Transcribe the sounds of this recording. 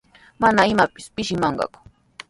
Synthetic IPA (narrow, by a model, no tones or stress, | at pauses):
manaɪmapɪ̥spɪʃɪmɑɴɢɑ̰kʊ̥